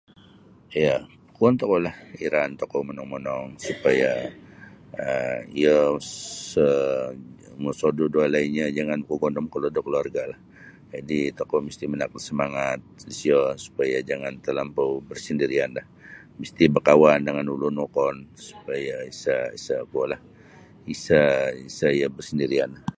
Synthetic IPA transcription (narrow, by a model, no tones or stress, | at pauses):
ija | kuant̪ɔkɔlahiɾant̪ɔkɔmənɔŋmənɔŋsupaja | əiəsə | məsododualainɲad͡ʒaŋankoɡɔndɔmkəlodɔkəluarɡalah | d͡ʒadit̪okɔmist̪imənak̚lasəmaŋat̪̚sisiɔsu̥pajad͡ʒaŋant̪əlampowbərsəndiɾianlah | məst̪ibərkawandəŋanulunokɔnsu̥pajaisaisakualah | isaisaijəbərsəndiɾianlah